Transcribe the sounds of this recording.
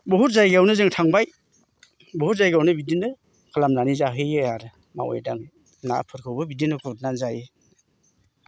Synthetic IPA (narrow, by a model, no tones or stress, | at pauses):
bɯɦut̚zajɡawnɯzɯŋtʰaŋbaj | bɔhut̚zajɡawnɯbidinɯ | kʰalamnanizaɦɯjejaɾɯ | ma̰wḛjdaŋ | na̰pʰɯɾkʰɯwbɯbidinɯkʰut̚nanzaje